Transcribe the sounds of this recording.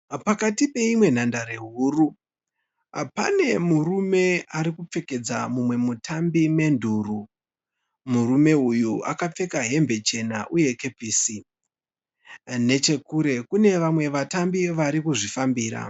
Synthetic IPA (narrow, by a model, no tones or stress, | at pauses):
pakatipe̞imwe̞n̤andaɾeɦuru | apa̰ne̞murume̞aɾikup͡fe̞ke̞d͡za̰mumwe̞mutʰambime̞ndʱuru | muɾume̞ujuakap͡fe̞kaɦe̞mbe̞t͡ʃe̞naʔuje̞ke̞piːsi | ne̞t͡ʃe̞kuɾe̞kune̞ʋamwe̞ʋatambiʋaɾikuʐifambiːɾa̰